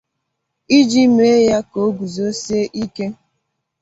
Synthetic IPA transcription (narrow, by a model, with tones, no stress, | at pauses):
i˦d͡ʒi˦me˦ja˦ko˨˦ɡu˨zo˨˦se˦ʔi˦ke˦